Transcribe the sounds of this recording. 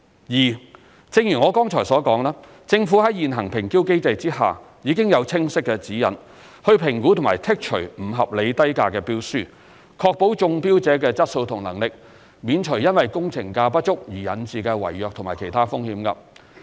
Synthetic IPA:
jiː˨˩ | t͡sɪ˧ŋjyː˨˩ŋɔː˨˧kɔː˥ŋt͡ʃʰɔː˨˩jsɔː˨˥kɔː˨˥ŋlaː˥ | t͡sɪ˧ŋfuː˨˥ɦɐ˨˥jjiː˨nɦɐ˨˩ŋpʰɪ˨˩ŋkiː˥wke˥jt͡sɐ˧jt͡siː˥ha̰ː˨˩ | jiː˨˧kɪ˥ŋjɐ˨˧wt͡sʰɪ˥ŋsɪ˥kːɛː˧t͡siː˨˥jɐ̰˨n | hɵ˧ɥpʰɪ˨˩ŋkuː˨˥t̪ʰʊ˨˩ŋmaː˨˩jt̪ʰɪ˥k̚t͡ʃʰɵ˨˩ɥm̩˨˩ɦɐ˨p̚le˨˧jt̪ɐ˥jkaː˧kɛː˧piː˥wsyː˥ | kʰɔː˧k̚po˨˥wt͡sʊ˧ŋpiː˥wt͡sɛː˨˥kɛː˧t͡sɐ˥t̚so˧wt̪ʰʊ˨˩ŋlɐ˨˩ŋlɪ˨k̚ | miː˨˧nt͡ʃʰɵ˨˩jɐ˥nwɐ˨jkʊ˥ŋt͡sʰɪ˨˩ŋkaː˧pɐ˥t̚t͡ʃʊ˥k̚jiː˨˩jɐ˨˥nt͡siː˨kɛ˧wɐ̰˨˩jːœː˨k̚t̪ʰʊ˨˩ŋmaː˨˩jkʰe˨˩jt̪ʰaː˥fʊ˥ŋhiː˨˥mka˧

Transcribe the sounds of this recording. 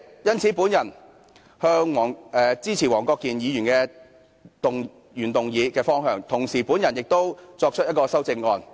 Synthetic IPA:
jɐ˥nt͡sʰiː˨˥puː˨˥njɐ˨˩n | hœː˧˥ŋwɔː˨˩ŋɛː˨t͡siː˥t͡sʰiː˨˩wɔː˨˩ŋkɔː˧kːiː˨˩njiː˨˧jy˨˩nkɛː˧ | t̪ʊ˨ŋ | jyː˨˩nt̪ʊ˨ŋjiː˨˧kɛː˧fɔː˥ŋɦœː˧ŋt̪ʰʊ˨˩ŋsiː˨˩puː˨˥njɐ˨˩njɪ˨k̚t̪o˥wt͡sɔː˧k̚t͡ʃʰɵ˥jɐ˥t̚kɔː˧sɐ˥wt͡sɪ˧ŋːɔː˧n

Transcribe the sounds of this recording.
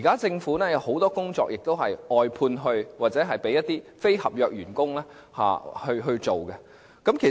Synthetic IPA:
iː˨˩kaː˥t͡sɪ˧ŋfuː˨˥nɛː˥jɐ˨˥who˨˥wt̪ɔː˥kʊ˥ŋt͡sɔ̰ː˧k̚jɪ˨k̚t̪o˥wɦɐ˨jɔː˨jpʰuː˧nɦɵ˧ɥwaː˨t̚t͡sɛː˨˥ɦɐ˨jpe˨˥jɐ˥t̪ːiː˥fe˥jhɐ˨p̚jœː˧k̚jyː˨˩nkʊ˥ŋlɛː˥ | ha̰ː˨hɵ˧ɥɦɵ˧t͡ʃo˨wkɛ˧ | kɐ˨˥mkʰe˨˩

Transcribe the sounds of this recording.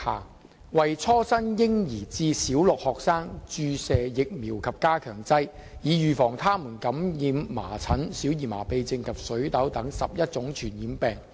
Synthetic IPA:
haː˨˩ | wɐ˨jt͡sʰɔː˥sɐ˥njɪ˥ŋjiː˨˩t͡siː˧siː˨˥wlʊ˨k̚hɔː˨k̚saː˥ŋt͡ʃyː˨˧sɛː˨˧jɪ˨k̚miː˨˩wkʰɐ˨p̚kaː˥kʰœː˨˩ŋt͡sɐ˥j | jiː˨˧jyː˨fɔː˨˩ŋt̪ʰaː˥muː˨˩nkɐ˨˥mjiː˨˧mːa̰ː˨˩t͡sʰɐ˨˥nsiː˨˥wjiː˨˩ma̰ː˨˩pe˨˧jt͡sɪ˧ŋkʰɐ˨p̚sɵ˨˥ɥt̪ɐ˨˥wt̪ɐ˨˥ŋsɐ̰˨p̚jɐ˥t̚t͡sʊ˨˥ŋt͡ʃʰyː˨˩njiː˨˥mpɛː˨˩ŋ

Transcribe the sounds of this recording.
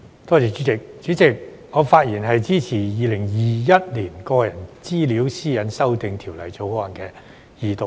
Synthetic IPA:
t̪ɔː˥t͡sɛː˨˧y˨˥t͡sɪ˨k̚t͡ʃyː˨˥t͡sɪ˨˩k̚ | ŋɔː˨˧faː˧t̚jiː˨˩nɦɐ˨jt͡siː˥t͡sʰiː˨˩jiː˧lɪ˨˩ŋjiː˨˩jɐ˥t̚liː˨˩nkɔː˧jɐ˨˩nt͡siː˥li˨˥wsiː˥jɐ˨˥nsɐ˥wt̪ɪ˨ŋt̪ʰiː˨˩wlɐ̰˨˩jt͡so˨˧wɔ˧˥ɐ˨˩nkɛː˧ | jiː˨˩t̪o˨˧

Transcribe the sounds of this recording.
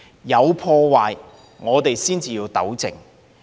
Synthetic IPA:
jɐ˨˧wpʰɔː˧waː˨j | ŋɔː˨˧t̪e˨jsiː˥nt͡siː˨jiː˧wt̪ɐ̰˨˥wt͡sɪ̰˨˩ŋ

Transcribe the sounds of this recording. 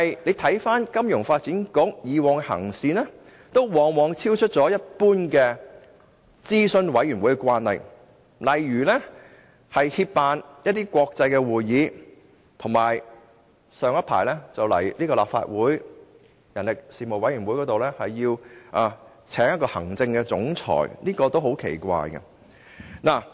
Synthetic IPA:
ɐ˨jle˨˧jt̪ʰɐ˨˥jfaː˥nkɐ˥mjʊ˨˩ŋfaː˧t̚t͡siː˨˥nkʊ˨˥kjiː˨wɔː˨ŋhɐ̰˨˩ŋsiː˧nɛ˥ | t̪o˥wwɔː˨ŋwɔː˨ŋt͡sʰiː˥wt͡ʃʰɵ˥t̚t͡sɔː˨˥jɐ˥t̚puː˥nkɛː˧ | t͡siː˥sɵ˧nwɐ˨˥jy˨˩nwu˨˥jkɛ˧kʷaː˥nhɐ̰˨j | lɐ˨˩jɥyː˨˩lɛ˥ | hɐ˨jhi˧p̚paː˨njɐ˥t̚t̪iː˥kʷɔː˧k̚t͡sɐ˧jkɛː˧wuː˨jːiː˨˥ | t̪ʰʊ˨˩ŋmaː˨˩j | sœː˨˧ŋjɐ˥t̚pʰa̰ː˨˩jlɛ˥t͡sɐ˨wlɐ̰˨˩jliː˥kɔː˧laː˨pfa̰ː˧t̚wuː˨˥j | jɐ˨˩nlɪ˨k̚siː˨mo˨wɐ˨˥jyː˨˩nwu˨˥jkɔ˨˥t̪o˨wlɛ˥hɐ˨jːiː˧wʔa˨˧ | t͡sʰɛː˨˥ŋjɐ˥kːɔː˧hɐ̰˨˩ŋt͡sɪ˧ŋkɛ˧t͡sʊ̰˨˥ŋt͡sʰɔ̰ː˨˩jniː˥kɔː˧t̪o˥wɦo˨˥wkʰḛ˨˩jkʷa̰ː˧jkɛ̰˧ | naː˨˩

